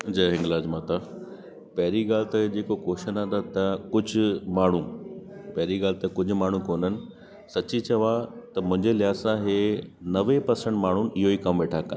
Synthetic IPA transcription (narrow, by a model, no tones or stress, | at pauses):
d͡ʑɐɦɪ̃ŋɡlaːd͡ʑmaːt̪a | pɐɦɪɾiɡaːlɪt̪ɐd͡ʑeːkokoːʃənãnd̪at̪ɐkʊd͡ʑʱʊ̆maːɳ̤ũpɐɦɪɾiɡaːlɪt̪ɐkʊd͡ʑʱʊ̆maːɳ̤ũkoːnənɪ̆ | sɐt͡ɕit͡ɕɐʋat̪ɐmʊ̃ɦɪ̃ɲd͡ʑelɪjaːsãɦeːnɐʋepɐɾsə̃ɳʈmaːɳ̤ʊnɪ̆ɪɦoiːkɐmʋeːʈʰakɐ̃n